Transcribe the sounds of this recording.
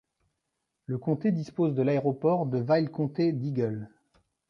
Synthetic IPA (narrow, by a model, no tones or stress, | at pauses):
ləkɔ̃t̪ed̪ispozd̪əlaeʁɔpɔʁd̪əvajlkɔ̃t̪ed̪iɡœl